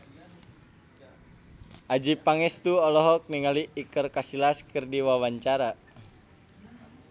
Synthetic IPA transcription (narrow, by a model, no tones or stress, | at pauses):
ʔad͡ʒipaŋɛst̪uɔlɔɦɔk̚niŋaliːkərkasilaskərdiwawaɲt͡ʃaɾa